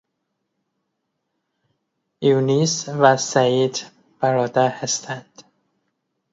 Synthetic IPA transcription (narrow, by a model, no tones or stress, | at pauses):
junisvæsæiːd̪ | b̥æɾɒːd̪æɾhæst̪ʰænd̪̥